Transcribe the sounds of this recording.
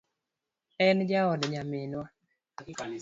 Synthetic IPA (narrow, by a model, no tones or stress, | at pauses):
ɛnd͡ʒaɔdɲamenwa